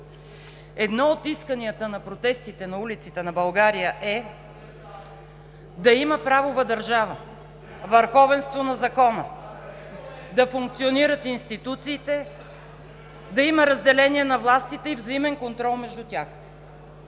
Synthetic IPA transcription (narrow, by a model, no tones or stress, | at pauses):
ɛd̪nɔot̪iskəniət̪ənɐpɾot̪ɛst̪it̪ɛnɐulit̪sit̪ɛnɐbɐlˠɡaɾijəʔɛ | d̪ɐiməpɾavovəd̪ɐɾʒavə | vəɾxɔvɛnst̪vonɐzɐkɔnə | d̪ɐfuŋk̚t̪sioniɾət̪inst̪it̪ut̪siːt̪ɛ | d̪ɐiməɾɐzd̪ɛlɛnʲiɛnɐvlˠast̪it̪ɛivzɐimɛnkont̪ɾɔlˠmɛʒd̪ut̪ʲax